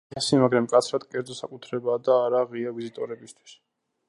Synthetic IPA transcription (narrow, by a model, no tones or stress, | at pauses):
ɛsimaɡɾamkʼat̪sʰɾad̪kʼɛɾd̪zɔsakʼut̪ʰɾɛbaːd̪aːɾaʁiavizit̪ʼɔɾɛbist̪ʰwi̥s